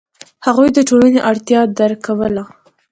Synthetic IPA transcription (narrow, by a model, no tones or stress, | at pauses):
haɣujd̪əʈolaneʔaɽt̪jɑd̪aɾkawəla